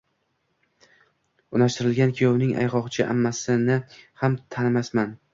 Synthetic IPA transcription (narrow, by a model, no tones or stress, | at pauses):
ʊnaʃt̪ɪɾɪlɡʲankʲʰijownɪŋa̰jqɒqt͡ʃʰɪʔa̰mːasɪnɪhamt̪ʰanmasman